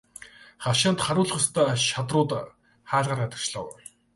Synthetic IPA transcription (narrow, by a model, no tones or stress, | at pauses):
χaʃaːnt̪χaɾʊːɮ̆χʊ̆st̪ʰæːʃat̪rʊːt̪ | χaːɮʁaːrat̪ə̆kt͡ɕɮăwʊ